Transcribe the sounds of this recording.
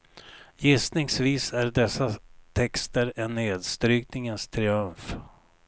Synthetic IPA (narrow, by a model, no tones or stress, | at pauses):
jɪst̪nɪŋsviːsæɖɛsːat̪ʰɛkst̪əɾɛnːeːd̪st̪ɾyːknɪŋənst̪ʰɾɪɵmf